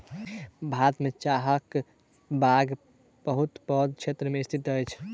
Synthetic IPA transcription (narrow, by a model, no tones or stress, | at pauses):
bʱat̪met͡ʃaɦək | baɡ | bəɦut̪pɔd̪̚kt͡ʃʰet̪ɾəmeist̪ʰit̪əjt͡ʃʰ